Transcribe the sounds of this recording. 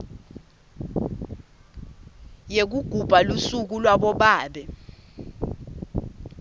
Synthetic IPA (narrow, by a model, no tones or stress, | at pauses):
jek̬uɡ̥ʱub̥ʱalusuk̬ulwaɓɔɓaːɓɛ